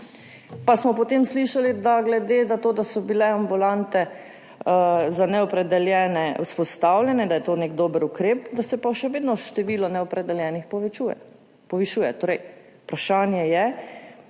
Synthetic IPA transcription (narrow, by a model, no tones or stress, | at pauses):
pasmɔpɔt̪eːmsliʃalid̪aɡlɛd̪eːd̪at̪oːd̪asɔbilɛambulant̪ɛ | zanɛɔpɾɛd̪ɛljɛːnɛwspɔst̪awlʲjɛnɛd̪ajɛt̪oːneɡd̪oːbəɾukɾeːpd̪asɛpaʃɛʋeːd̪nɔʃt̪ɛʋiːlɔnɛɔpɾɛd̪ɛljɛːnixpɔʋt͡ʃujɛ̰ | pɔʋiʃuːjɛt̪oːɾɛj | pɾaʃaːnjɛjɛ